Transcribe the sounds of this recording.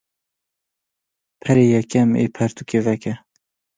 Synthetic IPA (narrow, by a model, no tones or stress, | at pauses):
pʰɛɾeːjɛkɛmḛːpʰɛɾt̪ukeːvɛkɛ